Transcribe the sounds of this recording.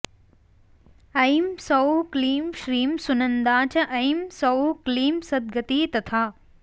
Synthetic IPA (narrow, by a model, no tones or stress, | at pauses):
ɐjmsɐwkliːmʃɾiːmsʊnə̃nd̪aːt͡ɕɐʔɐjimsɐwkliːmsɐd̪̚ɡɐt̪iːt̪ɐt̪ʰaː